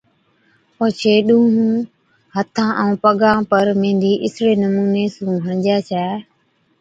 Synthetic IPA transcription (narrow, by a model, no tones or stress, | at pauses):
poːt͡ʃʰeːɗũːɦũ | hət̪ʰãːʔɛ̃ũpəɠãːpəɾmẽːnd̪ʱiːʔɪsɾeːnəmuːneːsũːɦə̃d͡ʒaːt͡ʃʰɛː